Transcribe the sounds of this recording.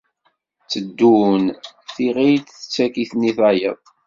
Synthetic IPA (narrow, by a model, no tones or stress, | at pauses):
t͡sːəd̪ːun | θiʁijtθə̥t͡sːækiθniθæjə̰ðˤ